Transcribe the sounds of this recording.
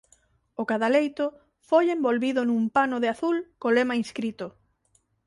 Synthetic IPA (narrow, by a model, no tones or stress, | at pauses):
ʊkaðalejt̪ʊ | fojembolβiðʊnũmpanʊðeaθulkolemainskɾit̪ʊ